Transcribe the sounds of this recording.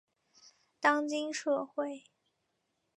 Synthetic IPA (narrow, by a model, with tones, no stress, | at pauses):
t̪ɑ˥ŋt͡ɕi˥nʂɤ˥˧xwe˥˩ɪ